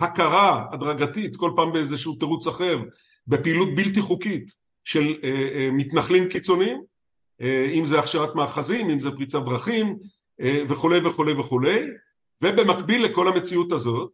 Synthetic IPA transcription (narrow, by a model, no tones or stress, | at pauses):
hakaʁaad̪ʁaɡat̪it̪ko̞lpaːmbeezeʃuuteʁut͡saχe̞ʁ | be̞piːlut̚bilt̬iχukit̪ | ʃelmit̪naχlimkit͡so̞nim | imzeaχʃeʁat̪maːχazimimzepʁit͡savʁaχim | ve̞χule̞jveχule̞jve̞χule̞j | ve̞be̞makbilːeko̞lame̞t͡siut̪azo̞t̚